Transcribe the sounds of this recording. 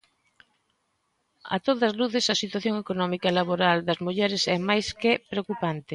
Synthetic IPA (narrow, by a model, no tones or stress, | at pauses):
ɐ̰t̪oðɐzluθesɐsit̪waθjoŋekonɔmikɐlaβoɾald̪ɐzmuʎɛɾɪsɛmajskepɾeokupant̪e